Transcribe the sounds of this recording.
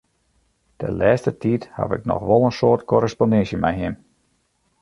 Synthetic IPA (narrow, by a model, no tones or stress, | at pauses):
tʰə̰nlɛːstətitha̰vɪ̰knɔ̰xʋɔlˠənsoːrtkʰɔɾəspondɛnsjəmɛjɦɪm